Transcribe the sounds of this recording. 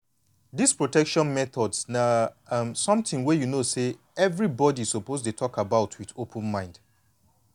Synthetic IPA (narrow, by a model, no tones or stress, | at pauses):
dispɹotɛkʃɔ̃nmɛθɔdsnamsɔ̃mtĩŋwɛjunose | ɛvɹibɔdiz̥sopoztutʰɔkabaʊtʰwiðopʰə̃nmãɪ̃nd̥